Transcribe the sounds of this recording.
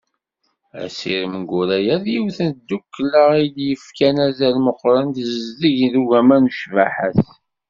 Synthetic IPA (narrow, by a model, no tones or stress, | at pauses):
æ̰siɾəməɡuɾæjæðjiwθənd̪ːukːləʁid̪jəfkænæzælməqːɾˤɑnd̪əzəzdəʝðuʝæmænuʃvæħæθ